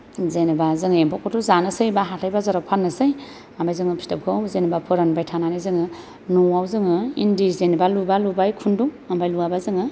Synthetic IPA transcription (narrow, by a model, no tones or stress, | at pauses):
zenbazɯŋempʰɔkɔtʰuzanɯsɯjbaɦatʰajbazaɾapʰanːɯsɯj | ambajzɯŋɯpʰi̥stap̚kʰɯzenbapʰɯɾanbajtʰananizɯŋɯ | nuawzɯŋɯḭndizenbalubalubajkʰunduŋ | ambajluabazɯŋɯ